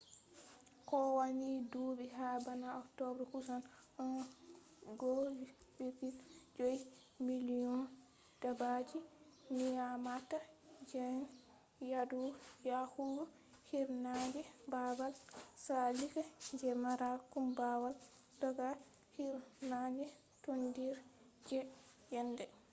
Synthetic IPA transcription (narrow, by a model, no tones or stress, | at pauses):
kɔwanidubiɦabanaɔktɔbɾkusan | ɔn | ɡod͡ʒiwipid͡ʒoj | miliɔn | d̥abad͡ʒimijamatad͡ʒɛn | jadujahuɾu | hiɾnad͡ʒɛbabalsalikad͡ʒɛmaɾakumbawal | dɔɡa | hiɾnad͡ʒɛ | tondiɾ | d͡ʒɛ | jɛndɛ